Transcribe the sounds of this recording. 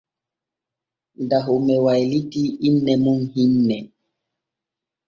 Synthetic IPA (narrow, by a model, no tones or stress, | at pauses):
daɦumɛwajlitiinːɛmunhinːɛ